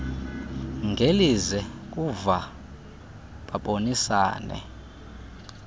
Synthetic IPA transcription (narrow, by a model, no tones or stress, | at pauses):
ŋɡʱelizɛk̬ʼuva | ɓaɓonisa̰ːnɛ̰